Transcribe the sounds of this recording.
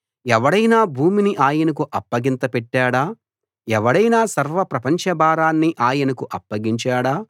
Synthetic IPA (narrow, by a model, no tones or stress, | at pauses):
ɛʋɐɽɐjnaːbʱuːminiʔaːjɐnɐk̬uʔɐpːɐɡint̪ɐpɛʈːaːɽaː | ɛʋɐɽɐjnaːsɐɾʋɐpɾɐpɐɲt͡ʃɐbaːɾaːnːiʔaːjɐnɐkuʔɐpːɐɡiɲt͡ʃaːɽaː